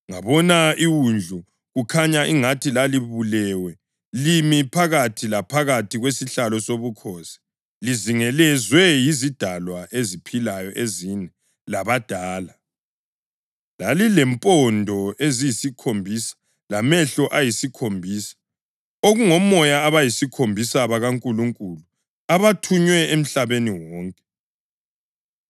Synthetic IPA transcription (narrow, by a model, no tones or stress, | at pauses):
ŋaβɔnaiwund͡ɮʱu | ɣukʰaɲaʔiŋatʰilaliβulɛːwɛ | limipʰaɣatʰilapʰaɣatʰiɣwesiɬalɔsoβukʰɔːsi̥ | liziŋɛlɛzwɛjizid̥ʱalwaʔezipʰilajɔʔezinɛ | laβad̥ʱaːla | lalilɛmpʼɔndʱɔezijisikʰombʱiːsḁ | lamɛɬɔʔajisikʰombʱiːsḁ | oɣuŋɔmɔjaːβajisikʰombʱisaβaɣaŋkʼuluŋkʼulu | aβatʰuɲwɛem̩ɬaβeniwɔːŋkʼɛ̥